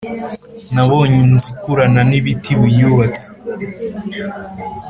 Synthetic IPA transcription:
naβoɲinzikuɾananiβitiβujuβat͡se̥

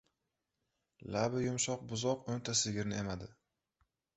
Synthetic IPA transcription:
labɪjʊmʃɒq̚bʊzɒqont̪ʰasɪɡʲɪɾnɪemad̪ɪ

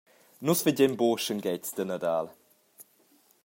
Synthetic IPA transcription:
nusfəɟɛmboːʃəŋɡɛt͡sd̥ənadaːl

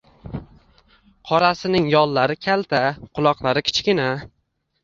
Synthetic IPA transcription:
qʰɒɾasɪnɪŋjɒlˠlːaɾɪkʲʰalt̪ʰaqʰʊlˠɒqlˠaɾɪkʲʰɪ̥t͡ʃkʲɪna

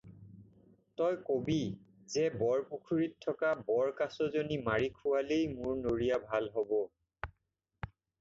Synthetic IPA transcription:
tɔjkobi | zɛbɔɹpukʰuɹitʰːɔkabɔɹkasɔzonimaɹikʰʊwalejmʊɹnoɹijabʱalɦɔbɔ

